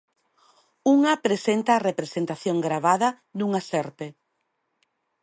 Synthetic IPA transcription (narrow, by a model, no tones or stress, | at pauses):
uŋapɾesent̪aːrepɾesent̪aθjoŋɡɾaβaðɐ | nuŋasɛɾpe